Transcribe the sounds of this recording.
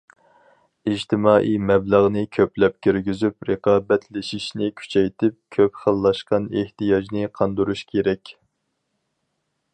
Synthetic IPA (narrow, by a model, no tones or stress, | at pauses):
id͡ʒt̪ʰɪmɑːʔijmɛbləʁnɨkʲʰøplɛp̚kʲʰyɾɡʲyzypɾəqɑːbɛt̪ʰlɪʃiʃnɪkʲʰy̥t͡ʃʰɛjt̪ʰɪp̚kʲʰøpχəlˠːɑʃqɑneht̪ijɑd͡ʒnɪqʰɑnd̪uɾuʃkʲʰeɾɛkʲ